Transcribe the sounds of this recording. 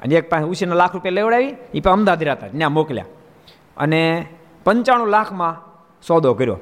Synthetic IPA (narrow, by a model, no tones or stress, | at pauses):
ə̰nek̚pãusinalakʰɾupjaleʋɽaʋiipə̃əmd̪ad̪ʱiɾat̪anjãmoklja̰ | ə̰ne | pəɲt͡ʃaɽ̃ũlakʰmã | sɔd̪ʱokəɾjo̰ː